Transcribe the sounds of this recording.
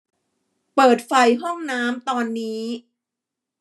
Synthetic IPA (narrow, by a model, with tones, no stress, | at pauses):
pɤː˨˩t̪̚fa˧jɦɔ˥˩ŋnaː˦˥mt̪ɔː˧nːiː˦˥